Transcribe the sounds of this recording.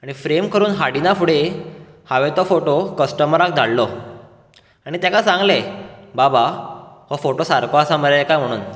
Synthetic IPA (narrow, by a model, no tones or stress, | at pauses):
aɽ̃ifɾemkəɾuːnɦaɽinafuɽe | haʋɛt̪ɔfoʈokəsʈəmɾak̚d̪ʱallɔ | aɽ̃it̪ãkasãŋɡlebabahofoʈosaɾkoasaməɾlekajm̤əɽ̃uːn